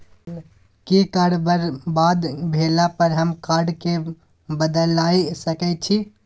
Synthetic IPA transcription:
kikaːɖbəɾbad̪bʱelapəɾɦəmkaːɾɖke | bəd̪əlaisəkɛt͡ʃʰi

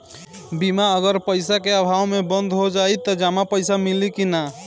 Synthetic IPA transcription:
bimaəɡəɾpəɪsakeəbʱaːwmẽbə̃nd̪ʱɦod͡ʒaːit̪əd͡ʒaːmapəɪsamɪlikina

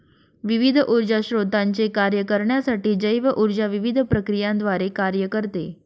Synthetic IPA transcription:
ʋiʋid̪ʱʔuɾd͡ʑaɕɾod̪ʱaɲt͡ɕekaɾjəkəɾɳjasaʈiːd͡ʑəjʋəʔuɾd͡ʑaʋiʋid̪ʱpɾəkɾijãnd̪ʋaɾekaɾjəkəɾt̪e

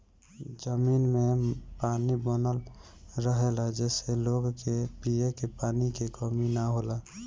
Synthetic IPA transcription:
d͡ʒəminmepaːnibənəl | ɾəɦelad͡ʒɛːseloɡkepijekepaːnikekəminaɦola

